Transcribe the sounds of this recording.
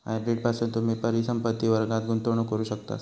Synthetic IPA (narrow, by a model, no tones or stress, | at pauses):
ã̰ɖɾeʈ̚pasunt̪um̤iːpəɾisəmpət̪ːiːʋəɾɡãt̪̚ɡunt̪oɳ̃okəɾuːɕək̚t̪a̰s